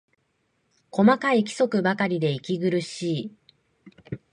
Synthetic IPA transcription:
ko̞makaikʲi̥so̞kɯ̟bakaɾʲid̪e̞ikʲiɡɯ̟ɾɯ̟ɕiː

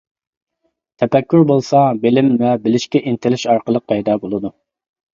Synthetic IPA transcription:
t̪ʰɛpɛkʲːyɾbolˠsɑbɪlɪmvɛbɪlɪʃkʲɛʔint̪ʰɪlɪʃɑɾqəlˠəq̚pʰɛjd̪ɑːbolˠɨd̪u

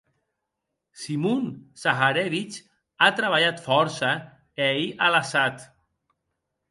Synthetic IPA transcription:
simunsaxaɾeβit͡ʃ | at̪ɾaβaʎat̪fɔɾsə | eiʔalasat̪

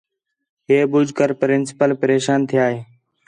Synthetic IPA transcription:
ɦeːbʊd͡ʒkəɾpəɾɪnsɪ̥pəlpəɾeːʃaːnt̪ʰɪjaːɦeː

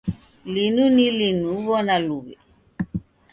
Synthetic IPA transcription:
linunilinuβɔnaluβɛ̰

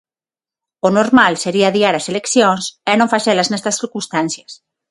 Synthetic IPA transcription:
onoɾmalseɾiaðiaɾaselekθjoŋsɛnõɱfaʃɛlaznɛst̪ɐsθiɾkũnst̪anθjɐs

